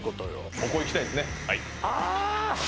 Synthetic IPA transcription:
kot̪ojo̰okoiki̥t̪aid̪esɨnehai | a

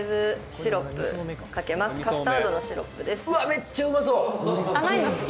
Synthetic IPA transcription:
zɨɕɕiɾo̞pːɯ̟̰kake̞masɨ̥kasɨt̪aːd̪o̞no̞ɕiɾo̞̰pːɯ̟d̪e̞sɯamet͡ɕːaɯmas̬oamaimasɨ

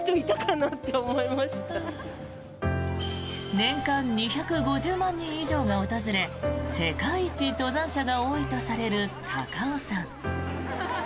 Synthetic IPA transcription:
t̪oit̪akanat̪ːe̞omoimaɕi̥t̪a | nẽ̞ŋkãɲɲiçakɯ̟ɡo̞ʑɨːmãɲ̟ːĩɰ̃iʑo̞ːɡaot̪azɨɾe̞se̞kait͡ɕit̪o̞zãɰ̃ɕaɡao̞ːit̪o̞saɾe̞ɾɯ̟hʰakaosãŋ

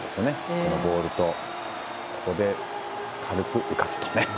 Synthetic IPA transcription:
d̪esɨjonekonobo̞ːɾɯ̟t̪o̞ | kʰo̞̥ko̞d̪e̞ | kʰaɾɯ̟kɯ̟ʔɯ̟kasɨ̥t̪o̥ne

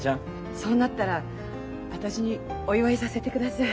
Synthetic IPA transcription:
ã | so̞ːnat̪ːaɾa | βat̪aɕiɲ̟io̞iβaisase̞t̪e̞kɯd̪asa

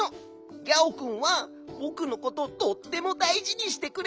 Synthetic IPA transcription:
o | ɡʲaokɯ̟̃ɰ̃βa | bo̞kɯ̟no̞ko̞t̪o̞d̪ot̪ːe̞mo̞d̪aiʑiɲ̟iɕi̥t̪e̞kɯ̟ɾ

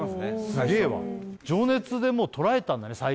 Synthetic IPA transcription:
asnesɡeːβa̰d͡ʑo̞ːne̞t͡sɨd̪e̞mo̞ːt̪ʰo̞ɾae̞t̪ãnd̪ane̞sa

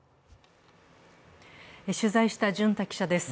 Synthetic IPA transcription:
eɕɨzaiɕi̥t̪aʑɨ̃nt̪akʲi̥ɕad̪e̞sɨ̥

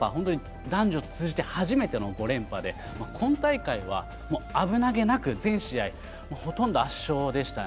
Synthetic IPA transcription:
a̰hõ̞nt̪oɲi | d̪ãɲ̟d͡ʑo̞t͡sɨːd͡ʑit̪e̞haʑime̞t̪e̞no̞ɡo̞ɾẽ̞mpad̪e̞ | makʰõ̞nt̪aikaiβ̞a̰ | moːabɯ̟naɡe̞nakɯ̟zẽ̞ɰ̃ɕiai | moːho̞t̪õ̞nd̪o̞aɕːo̞ːd̪e̞ɕi̥t̪a

